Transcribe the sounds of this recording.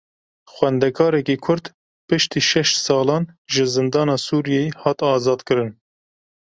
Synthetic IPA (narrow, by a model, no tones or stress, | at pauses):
xwɛnd̪ɛkʰɑːɾɛkiːkʰʊɾd̪ | pɨʃt̪iːʃɛʃsɑːlɑːnʒɨzɨnd̪ɑːnɑːsuːɾijejihɑːt̪ɑːzɑːd̪kɨɾɨn